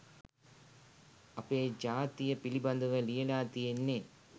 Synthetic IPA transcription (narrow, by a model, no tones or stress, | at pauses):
ɐpːeːd͡ʑaːt̪ijɐpilibɐnd̪uɣɐlijɐlaːt̪ijenːe